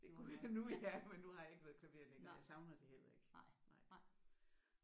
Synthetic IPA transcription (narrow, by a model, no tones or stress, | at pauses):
d̥e̝unuæmenːuhɑ̈jɑ̈e̝ɡ̥ʋæːɐð̩ˠkʰlæʋe̝̰ɐ̰leŋɐjɑsɑ̈ʊnɐd̥e̝hel̰ɐe̝ɡ̥nɑ̈ɪ̰